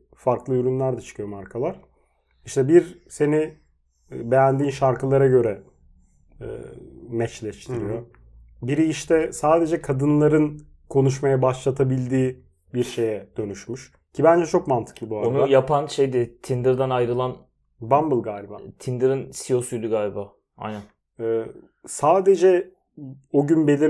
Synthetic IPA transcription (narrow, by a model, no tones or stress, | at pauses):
faɾklˠɯyɾynlʲæɾd̪ɛt͡ʃʰɯ̥kʰɯjo̞maɾkʰalˠaɾ̥ | iʃt̪ʰɛbiɾse̞ni | be̞jænd̪iːnʃaɾkɯlˠaɾaɟø̞ɾɛ | ɛ̰ːmɛt͡ʃlʲɛʃt̪ʰiɾijo̞ | biɾiːʃt̪ʰɛsaːd̪e̞d͡ʒɛkʰad̪ɯnlˠaɾɯn | kʰo̞nuʃmajabaʃlˠat̪ʰabilʲd̪iː | biɾʃe̞jɛd̪̥ø̞nyʃmyʃ | cʰibænd͡ʒɛt͡ʃʰo̞kmant̪ʰɯ̥klˠɯbuaɾonuajapʰanʃejd̪ɪt̪ʰind̪ɯɾd̪anajɾɯlˠan | bambɯlˠɡaːlʲiba̰t̪ʰind̪ɯɾinsio̞sujlʲyɡaːlʲibaː | a̰jna | ɛː | saːd̪e̞d͡ʒɛ | oɟynbe̞lʲiɾ